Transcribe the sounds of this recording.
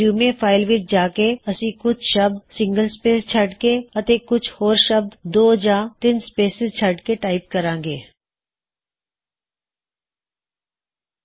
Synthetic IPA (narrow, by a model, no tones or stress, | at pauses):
uːmẽpʰaːɪlʋɪʈd͡ʒaːkeɐsĩkʊt͡ʃʰʃɐb̚d̪sɪ̃ŋɡəlspeːst͡ʃʰɐʈkeɐt̪ekʊt͡ʃʰhoːɾʃɐb̚d̪d̪oːd͡ʒãːt̪ɪnspeːsɪzt͡ʃʰɐʈkeʈaːɪp̚kɐɾãːŋɡeː